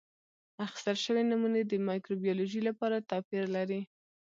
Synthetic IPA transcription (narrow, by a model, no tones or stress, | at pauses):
axɪ̥st̪əlʃəwenamuned̪əmɑjkɾobijɑloʒəlapɑɾat̪ɑpiɾlaɾi